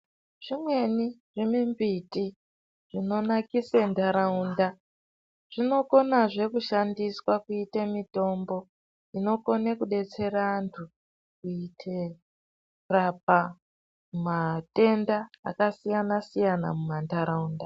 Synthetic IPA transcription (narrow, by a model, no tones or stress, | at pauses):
ʐ̥imwe̞niʐemimbiti | ʐ̥ino̞nakisendaɾaunda | ʐ̥ino̞ko̞naʐe̞kuʃandiswakuitemito̞ːmbo̞ | ino̞ko̞nekuɗe̞t͡se̞ɾaːntʰu | kuitʰe | rap̚a | umate̞nda̰ːkasijanasijana̰mumandaɾaunda